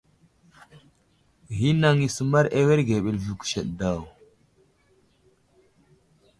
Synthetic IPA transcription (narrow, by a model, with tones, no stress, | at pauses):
ɣi˦na˨ŋi˨su˨ma˦ɾe˦we˦ɾɡe˨ɓe˨lvu˨ku̥˨ʃe˨ɗda˨w